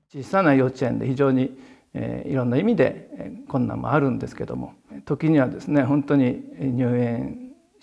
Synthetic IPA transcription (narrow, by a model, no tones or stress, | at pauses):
t͡ɕiːsanajo̞t͡ɕiẽ̞nd̪e̞̰çiʑo̞ːɲ̟i | ḛːḭɾõ̞nːaimʲid̪e̞̰kõ̞nːã̰mːo̰aɾɯ̟̃nd̪e̞sɨ̥ke̞d̪o̞̰mo̞̰ | t̪o̞kʲiɲ̟iβ̞ad̪e̞sɨne̞ɦõ̞nt̪o̞ɲ̟iɲʲɨːẽ̞